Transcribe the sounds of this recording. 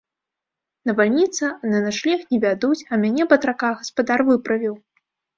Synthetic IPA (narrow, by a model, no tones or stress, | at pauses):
nɐvalʲnʲit̪sɐananaʂlʲɛxnʲɛvʲad̪ut͡sʲɐmʲanʲɛbɐt̪ɾakaɣɐspad̪arvɨpɾɐvʲiw